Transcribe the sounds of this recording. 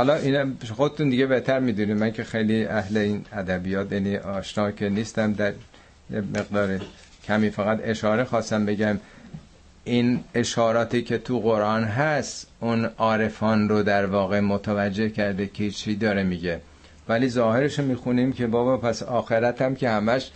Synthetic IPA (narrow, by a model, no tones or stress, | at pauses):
hɒlɒʔiːnæxo̞d̪et̪und̪iɡe̞be̞ht̪ʰæɾmiːd̪unimæŋkʰe̞xejliæhleiːnæd̪æbijɒːt̪jæniʔɒːʃnɒːkʰeniːst̪æmd̪æɾ | jemeɣd̪ɒːɾi | kʰæmiːfæɣæt̪e̞ʃɒːɾe̞xɒːst̪æmbe̞ɡæm | ʔine̞ʃhɒːɾɒːt̪iːkʰe̞t̪ʰuɣoɾʔɒːnɦæst̪ʔunɒːɾe̞fɒːnrod̪æɾvɒːɣe̞mot̪ʰævæd͡ʒːe̞hcæɾd̪ekʰehit͡ʃt͡ʃid̪ɒːɾemiɟe̞ | væliːzɒːhe̞ɾeʃomiːxuniːmkʰe̞bɒːbɒpʰæsɒːxe̞ɾæt̪æmkʲe̞hæmæʃ